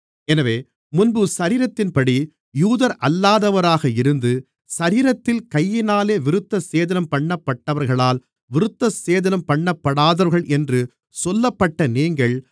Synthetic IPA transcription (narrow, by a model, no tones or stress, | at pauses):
ɛnɐʋeː | mʊnbɯsɐɾiːɾɐt̪ːɪnpɐɽi | juːðɐɾʔɐlːaːðɐʋɐɾaːɣɐɪɾɯnd̪ɯ | sɐɾiːɾɐt̪ːɪlkɐjːɪnaːleːʋɪɾɯt̪ːɐseːðɐnɐmpɐɳːɐpːɐʈːɐʋɐɾɣɐɭaːl | ʋɪɾɯt̪ːɐseːðɐnɐmpɐɳːɐpːɐɽaːðɐɾɣɐɭʔɛndrɯ | sɔlːɐpːɐʈːɐniːŋɡɐɭ